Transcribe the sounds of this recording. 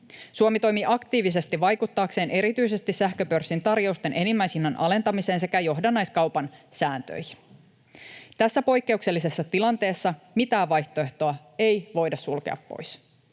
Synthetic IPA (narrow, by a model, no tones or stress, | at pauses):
suomit̪o̞jmiʔɑkt̪iːʋis̬e̞st̪iʋʋɑjkut̪ːɑːkse̞ːnʔe̞ɾit̪yise̞st̪isæhkøpø̞rsːint̪ɑrjo̞ust̪e̞nʔenimːæjsinːɑnʔɑ̰le̞nt̪ɑmise̞ːnse̞kæjo̞ɦdɑnːɑjskɑwpɑnsæːnt̪ø̰jçin | t̪æsːæpo̞jkːe̞ukse̞lːise̞sːɑt̪ilɑnt̪e̞ːsːɑ | mit̪æːʋʋɑjht̪o̞e̞ht̪o̞ɑ | e̞jʋo̞jdɑssulke̞̰ɑ̰pːo̰js